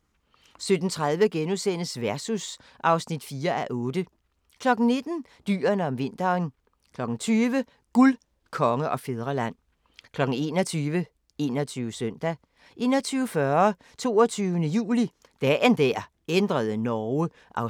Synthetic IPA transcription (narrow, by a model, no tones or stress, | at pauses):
sød̥n̩t͡sʰʁaðˠʋəɡ̥enusen̰əsʋæɐsus | ʔɑ̈ʊsnid̥fiːɐʔæʔɔ̽ːd̥ə | kʰlɒ̽ɡ̥n̩ne̝d̥n̩ | d̥y̰ːɐnəɒ̽mʋe̝n̰d̥ɐːn | kʰlɒ̽ɡ̥n̩t͡sʰyːʋə | ɡ̥ul | kʰɒ̽ŋəʔɒ̽feðˠʁɐlæn̰ | kʰlɒ̽ɡ̥n̩e̝ːnɒt͡sʰyːʋə | e̝ːnɒt͡sʰyːʊəsœn̰d̥æ | ʔe̝̰ːnɒt͡sʰyːʊəfɶɐ | t͡sʰo̝̰ːɒt͡sʰyːʊənəjṵːli | d̥ɛ̰ːnd̥æɐ̰ | end̥ʁɐð̞ˠənɒʊə | ʔɑ̈ʊ